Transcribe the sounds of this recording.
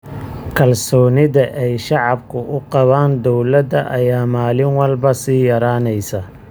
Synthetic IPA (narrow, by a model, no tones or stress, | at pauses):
kʰɐlsɔːnɪðɐʔɛjʃɑʕɑb̚kʰʊʔʊqɑβaːnd̪ɔwlɐd̪ɐʔɐjaːmaːlɪnwɑlbɐsiːjɐɾaːnɛjsɐ